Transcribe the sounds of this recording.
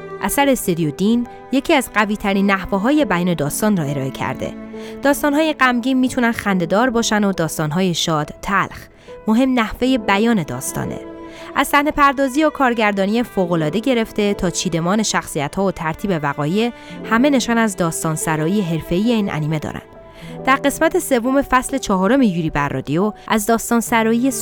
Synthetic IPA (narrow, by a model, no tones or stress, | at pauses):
ʔæsæɾest̪ed̪ijod̪in | je̞cʰiːæzɢæviːt̪ʰæɾiːnːæhvoɦɒːje̞bæjɒːne̞d̪ɒːst̪ɒːnrɒːe̞ɾɒːe̞cʰæ̰ɾd̪ḛd̪̥ɒːst̪ɒːnhɦɒːje̞ɢæmɟiːnmiːt̪ʰunænxænd̪e̞d̪ɒːɾbɒːʃænd̪od̪ɒːst̪ɒːnɦɒːjeʃɒːd̪̥t̪ʰːælx | mo̞ɦe̞mnæhve̞je̞bæjɒːne̞d̪ɒ̰ːst̪ɒ̰ːnḛʔæzsæhne̞pʰæɾd̪ɒːziːokʰɒːɾɟæɾd̪ɒːnijefoːɣolɒːd̪e̞ɟe̞ɾe̞ft̪e̞t̪ʰɒːt͡ʃʰiːd̪e̞mɒːne̞ʃæxsijæt̪hɒːot̪ʰæɾt̪ʰiːbe̞væɣɒːje̞ | hæme̞ne̞ʃɒːnæzd̪ɒːst̪ɒːnsæɾɒːije̞ɦe̞ɾfe̞iːje̞iːnʔæ̰niːme̞d̪ɒ̰ːɾæ̰nd̪̥ | d̪æɾɢe̞smæt̪ʰe̞se̞vːo̞me̞fæsle̞t͡ʃʰɒːɦɒːɾo̞mejuːɾiːbæɾːɒ̰ːd̪ijoʔæzd̪ɒːst̪ɒːnsæɾɒːije̞s